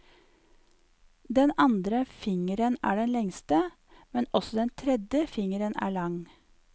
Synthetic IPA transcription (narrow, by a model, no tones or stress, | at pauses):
d̪ɛnɑnd̪ɾəfɪŋəɾənæ̰ːɖɛnlɛŋst̪ə | mɛnɔsɔd̪ɛnt̪ʰɾɛd̪jəfɪŋəɾənæ̰ːɭɑŋ